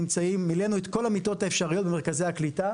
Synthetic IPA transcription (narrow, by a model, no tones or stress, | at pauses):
imt͡saimːile̞nuet̪ko̞lamito̞taefʃaʁijot̪be̞me̞ʁkaze̞jaklita